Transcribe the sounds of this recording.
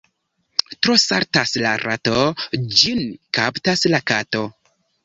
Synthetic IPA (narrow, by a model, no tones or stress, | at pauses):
tɾo̞saɾtaslaɾʔa̰tod͡ʒinkaptaslakato̞